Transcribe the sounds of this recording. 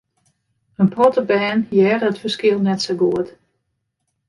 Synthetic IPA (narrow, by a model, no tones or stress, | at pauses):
ənprɔtəbɛːnjɛːrəətfərskɪəlˠnɛtsoɡuət